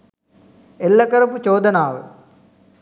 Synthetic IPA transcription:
elːɐkɐɾɐput͡ʃoːd̪ɐnaːʋɨ̰

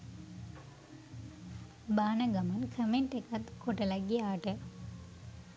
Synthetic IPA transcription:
baːnəɡamankʰəmeɳʈekat̪koʈəlaɡiaːʈə

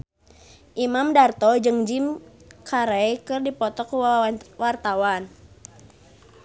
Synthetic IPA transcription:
ʔimamdart̪ɔd͡ʒɨŋd͡ʒimkʰaɾɛjkɨrdipɔt̪ɔkwart̪awan

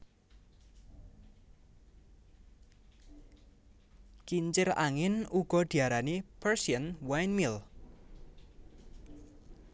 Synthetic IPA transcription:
kiɲt͡ʃɪɾa̰ŋɪnuɡ̥ɔ̤d̪̥i̤aɾanipərsiənwajnmil

